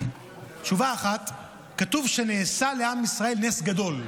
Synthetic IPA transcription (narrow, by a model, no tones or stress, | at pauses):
t͡ʃuvaːχat̪ | kat̪uvʃe̞neːsale̞amisʁae̞lnesɡad̪o̞l